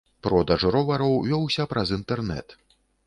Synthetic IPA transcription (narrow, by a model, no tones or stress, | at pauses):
pɾɔd̪ɐʐɾɔvɐɾɔwvʲɔwsʲɐpɾʔɐzint̪ɛrnɛ̰t̪